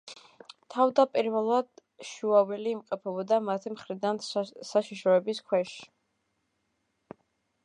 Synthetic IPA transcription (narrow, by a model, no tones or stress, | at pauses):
t̪ʰavd̪apʼiɾvɛlˠad̪̥ | ʃuavɛliːmqʼɛpʰɛbɔd̪amat̪ʰimχɾid̪ansaʃiʃɾɔɛbiskʰwɛʃi̥